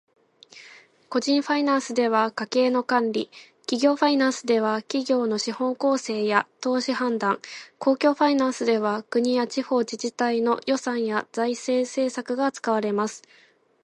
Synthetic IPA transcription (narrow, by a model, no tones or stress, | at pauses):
ko̞ʑĩɰ̃ɸainãɰ̃sɨd̪e̞βakake̞ːno̞kãnɾʲi | kʲiɡʲo̞ːɸainãɰ̃sɨd̪e̞βakʲiɡʲo̞ːno̞ɕihõ̞ŋko̞ːse̞ːjat̪o̞ːɕihãnd̪ãŋko̞ːkʲo̞ːɸainãɰ̃sɨd̪e̞βakɯ̟ɲ̟ijat͡ɕiho̞ːd͡ʑiʑit̪aino̞jo̞sãɰ̃jazaise̞ːse̞ːsakɯ̟ɡat͡sɨ̥kaβaɾe̞masɨ̥